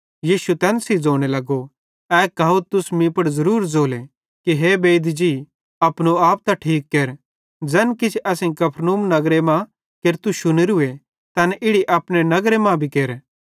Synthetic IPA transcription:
jiːʃut̪ɛːnsid͡zoːɽ̃elɐɡo | ɛːkaːot̪ʊsmĩpɐɽzɐɾuːɾd͡zoːle | kiɦeːbeːd̪d͡ʒi | ɐpñoaːp̚t̪aʈʰiːkːeːɾ | d͡zɐnkɪt͡ʃʰɐsĩkɐpʰɾnuːmnɐɡɾemã | keɾt̪uʃʊnəɾɦʊe | t̪ɐnʔɪɽiʔɐpɽ̃enɐɡɾemãbʱikeːɾ

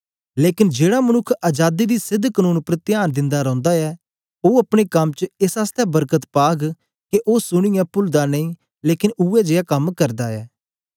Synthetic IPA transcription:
leːkɪnd͡ʒeːɽaːmənʊkʰːəd͡ʒaːd̪iːd̪iːsɪd̪ʱːkənũːnpɾət̪ɪjaːnd̪ɪ̃nd̪aːɾɔ̃ːnd̪aːɛː | oːəpɽ̃eːkɐmt͡ʃəɪsast̪ɛːbəɾkət̪paːɡ | keʔoːsʊɽ̃ijãːpʊld̪aːnəĩː | leːkɪnuːɛːd͡ʒeːaːkəmkəɾd̪aːɛː

